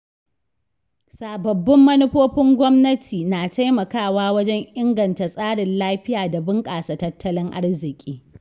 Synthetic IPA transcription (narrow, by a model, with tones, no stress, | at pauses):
saː˨bɐ˨bːɪ˦mːɐ˦nʊ˦ɸoː˦ɸɪ˦ŋɡʷɔ˦mnɐ˦tʰiː˨naː˨ta˦jmɐ˨kaː˦˨waː˦wɐ˦d͡ʒɛ˦ŋʔɪ˦ŋɡɐ˨nta˨sʼaː˦ɽɪ˨nlaː˦ɸɪ˦jaː˨da˨bɪ˦ŋkʼaː˨sa˨tɐ˦tʰːɐ˦lɪ˦ŋʔa̰˦rzɪ˨kʲʼiː˦